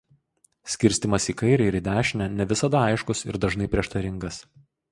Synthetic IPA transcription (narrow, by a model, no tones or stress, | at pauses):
sʲkʲɪɾʲsʲt̪ʲɪmɐsikɐɪɾʲɛɪɪɾɪd̪ʲæːʃʲnʲɛnʲɛʋʲɪsɐd̪ɐɐɪʃkʊsɪ̰ɾd̪ɐʒnɐɪpʲɾʲiɛʃt̪ɐɾʲɪŋɡɐs